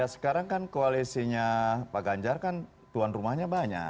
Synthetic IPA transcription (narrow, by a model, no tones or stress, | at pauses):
jasə̥kaɾaŋkankoalisiɲapaɡaɲd͡ʒarkan | t̪uanrumahɲabaɲa̰